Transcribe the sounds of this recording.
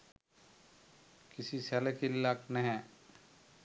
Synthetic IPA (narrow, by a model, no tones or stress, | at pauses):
kɪsisalɛkillaknɛɦɛ̃